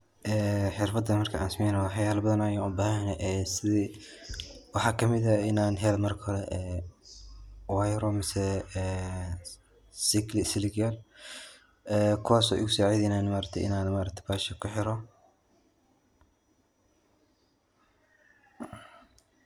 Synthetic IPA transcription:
ʔɛːħɪrfɐd̪ɐmɐrkʰɐʔa̰ːnsmɛjnɐwħɑjaːlɐbɐðɐnajaʔʊbaːhnɛʔɛːsɪðiː | wɑħɑːkʰɐmɪðɐɪnaːnɦɛlmɐrkʰɐhɔɾɛʔɛː | wajɾɔmɪsɛː | sɪklɪsɪlɪɡal | ɛːkʰʊwaːsɔ̰ːʔɪ̰ɣʊsɔːʕejðɛjnaːnmaːɾɐk̚t̪ʰɛʔɪ̰naːnmaːɾɐk̚t̪ʰɐ̥baːʃɐkʰʊħɪɾɔ

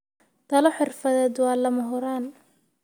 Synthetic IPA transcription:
t̪ʰɐlɔħɪrfɐðɛːd̪wɑːlɐmɐɦʊɾaːn

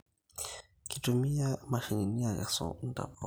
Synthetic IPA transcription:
kitumiamaʃiŋiniaɣa̰sɔ̰n̩ta̰ɔ

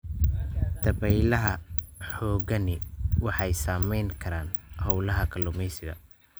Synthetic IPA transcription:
t̪ʰɐβɛjlɐɦɐħɔːɣɐnɪwɑħɑjsaːmɛjŋkʰɐɾaːnhɔwlɐɦɐkʰɐlʊmɛjsɪɣɐ̰

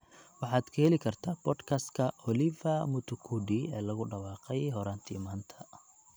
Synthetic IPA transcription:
wɑħɑːd̪kʰɐhɛlɪkʰɐrt̪ʰaːbʰɔd̪kʰɐst̪kʰɐʔɔlɪvɐmʊt̪ʰʊkʰuɖiɛːlɐɣʊɖɑwɑːqɛjɦɔɾaːnt̪ʰḭːmaːnt̪ʰɐ̥

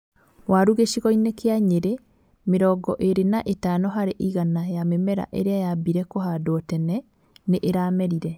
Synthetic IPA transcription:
waɾuɣeʃiɣɔinekeaɲeɾe | meɾɔɡɔʔeɾenaʔetaːnɔɦaɾeʔiɣanajamemɛɾa̰ʔeɾeajabiɾɛkoɦadoɔtɛnɛ | neʔeɾaːmɛɾiɾɛ

